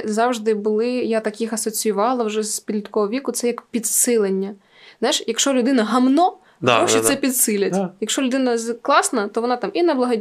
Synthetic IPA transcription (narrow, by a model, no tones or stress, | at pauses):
zɑwʒd̪ɪbʊlˠɪjat̪ɐkʲixɐsɔt͡sʲijʊʋɑlˠɐwʒɛzpʲid̪ʲlʲɐt̪kɔɦɔʋʲikʊt̪sɛjɐkpʲid̪sɪlˠenʲːɐ | zajʃjɐkʃɔlʲʊd̪ɪnɐɦɐmnɔ | ɐɾɔʃisɛpʲid̪sɪlʲɐtʲjɐkʃɔlʲʊd̪ɪnɐklˠɑsnɐt̪ɔʋɔnɑt̪ɑminɐblˠɐɦɔdʲ